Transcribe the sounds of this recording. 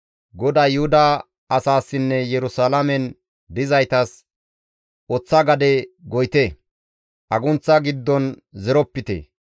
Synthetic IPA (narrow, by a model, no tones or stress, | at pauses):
ɡɔd̪aːjʊhʊd̪ɐ | ɐsaːsːɪnːɛjɛɾʊsalɐmɛn | d̪ɪzɐjt̪ɐs | ɔt͡sːɐɡɐd̪ɛɡɔjt̪e | ʔɐɡʊnt͡sːɐɡɪd̪ːɔn | zɛɾɔpːɪt̪ḛ